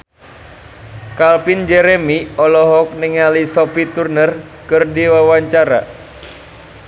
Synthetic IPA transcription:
kalpind͡ʒɛɾemiɔlɔɦɔk̚niŋalisɔpit̪urnər | kɨrdiwawaɲt͡ʃaɾa̰

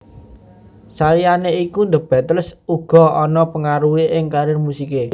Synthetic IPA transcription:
salijaneikund̪ə̤b̥a̤t̪əlsuɡ̥ɔ̤ʔɔnɔpəŋaɾuweʔɪŋkaɾɪrmusike

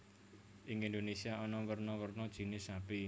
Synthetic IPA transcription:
ʔɪŋindonesiaɔnɔwərnɔwərnɔd̥ʒ̥i̤nɪsapi

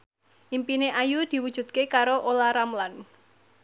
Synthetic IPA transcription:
ʔimpineʔajud̪̥i̤wud̥ʒ̥ṳt̪̚kekaɾoʔolaɾamlan

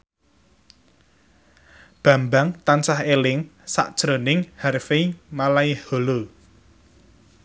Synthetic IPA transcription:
b̥ä̤mbaŋt̪ansahelɪŋsa̰ʔt͡ʃɾonɪŋharfimalaiholo

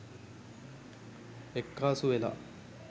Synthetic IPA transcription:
ekːaːsuʋela̰

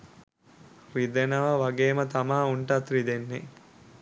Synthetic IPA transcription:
rid̪enɐʋɐʋɐɡeːmət̪ɐmaːuɳʈat̪rid̪enːe

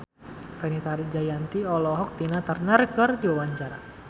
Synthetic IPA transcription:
fɛnit̪aɾid͡ʒajant̪iɔlɔɦɔk̚t̪inat̪ərnərkɨrdiwawaɲt͡ʃaɾa̰

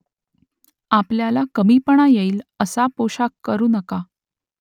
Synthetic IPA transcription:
apljalakəmiːpəɳ̃ajeiːləsapoɕakːəɾuːnəka

